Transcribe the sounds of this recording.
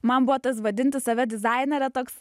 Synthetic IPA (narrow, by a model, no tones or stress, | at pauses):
mɐnbʊʋɔt̪ɐsʋɐd̪ʲɪnʲt̪ʲɪssɐʋʲɛd̪ʲɪzɑɪnʲɛɾʲɛt̪oːks